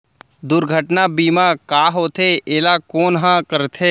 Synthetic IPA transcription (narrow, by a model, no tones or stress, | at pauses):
d̪ʊɾɡʱəʈnabiːmakaːɦoːt̪ʰeʔeːlakoːnɦãkəɾt̪ʰeː